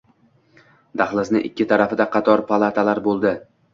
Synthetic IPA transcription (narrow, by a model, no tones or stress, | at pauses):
d̪̥aχlˠɪznɪʔɪkʲːɪt̪ʰaɾafɪd̪aqʰɑt̪ʰɒɾpʰalˠat̪ʰalaɾbolˠd̪ɪ